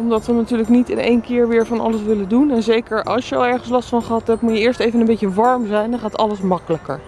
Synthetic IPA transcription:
ɔmdɑtʋənatyːɹləknitɪ̰nḛjnkɪːɹʋɪːɹvɑnɑ̰ləsʋɪləndunɛnzejkəɹʔɑ̰lˠsjəɑ̰lˠɛɹχəns̬lɑstfɑnχəɦɑtɦɛp̚tmutjəɪːɹstejvənəmbejcəʋɑɹmzɛjndɑ̃χaːtɑ̰ləsmɑkələkə̰ɹ

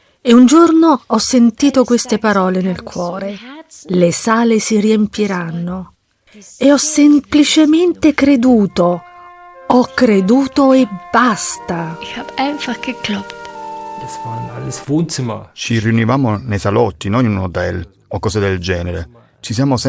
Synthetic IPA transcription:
eund͡ʒornoɔsːent̪iːt̪okwest̪epaɾɔːlenelkwɔːɾelesaːlesiriempjiɾanːo | eɔsːemplit͡ʃement̪ekɾed̪uːt̪o | ɔkːɾed̪uːt̪oebːast̪aixabɛɱfakːeklɔpː | ust͡ʃiriunivaːmonejsalɔt̪ːinɔnunot̪ɛl | okːɔːzed̪eld͡ʒɛːneɾḛ | t͡ʃisjaːmos

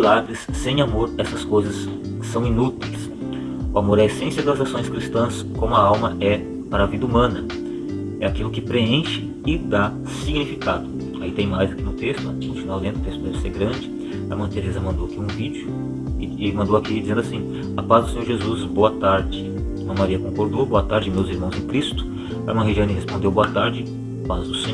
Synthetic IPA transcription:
labɾɪsːẽj̃amoɾɛsɐskojzɐsː | ɐ̃w̃inut̪ejs | ʊamoɾɛesẽsjɐɡlĩzasõj̃skɾist̪ɐ̃s | kõmʊɐawmɐʔɛ | paɾɐavid̪ɐumɐ̃nɐ | ɛakilʊkɪpɾeẽʃɪ̥ | ɪd̪a | siɡnifikad̪ʊ | ait̪ẽj̃majzakinʊt̪est̪ʊãkioũfinawlẽnʊt̪est̪ʊd̪ɛvɪseɾɡɾɐ̃d͡ʒɪ | a̰mɐ̃t̪eɾɛzɐmɐ̃nd̪owakiũvid͡ʒʊ | mɐ̃nd̪owakid͡ʒizẽnd̪ʊasĩ | apazd̪ʊsẽɲoɾʒezusboɐt̪aɾd͡ʒɪ | mɐ̃maɾiɐkõkoɾd̪oboɐt̪aɾd͡ʒɪmewziɾmɐ̃w̃zẽkɾist̪ʊ̥ | amɐ̃ɦed͡ʒɐ̃nɪɦespõnd̪ewboɐt̪aɾd͡ʒɪ | pazd̪ʊsẽ

